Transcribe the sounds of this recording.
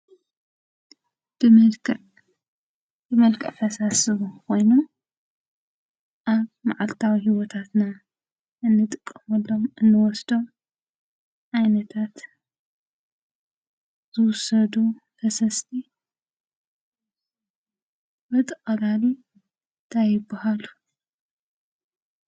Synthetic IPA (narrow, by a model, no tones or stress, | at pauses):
b̥ɨmɐlkʰʼɨʔ | bɨmɐlkʰʼɐfɐsasɨβkʰo̞jnu | ʔaβmaʕalt̪ʰawiɦiwɔt̪ʰat̪na | ʔɨnːɨt̪ʼɨkʼːɐmɐlːomɨnːɨwɔsd̪o̞m | ʔajnɐt̪ʰat̪ | z̥ɨwʊsɐd̪u | fʰɐsɐst̪ʰi | bɐt̪ʼɨxʼɐlali | nt̪ʰajɪbːahalu